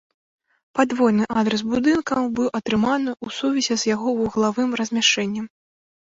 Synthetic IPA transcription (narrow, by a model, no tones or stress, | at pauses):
pad̪vɔjnɨʔad̪ɾɛs̬bud̪ɨnkɐmbɨwʔɐt̪ɾɨmanɨʔusuvʲɛzʲɛzjaɣɔuɣlˠavɨmɾɐzʲmʲaʂt͡ʂɛnʲːɐm